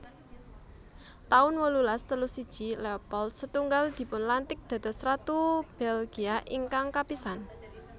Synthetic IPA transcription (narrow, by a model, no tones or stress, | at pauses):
t̪aʊnwəlulast̪əlusid̥ʒ̥ilɛpɔlt̪sət̪uŋɡald̪̥i̤pʊnlant̪ɪk̚d̪̥ä̤d̪̥ɔ̤sɾat̪ub̥ɛlɡ̥iaʔiŋkaŋkapisan